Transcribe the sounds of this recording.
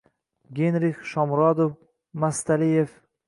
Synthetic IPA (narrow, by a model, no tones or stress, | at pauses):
ɡʲenɾɪχʃɒmɾɒd̪of | mast̪alijef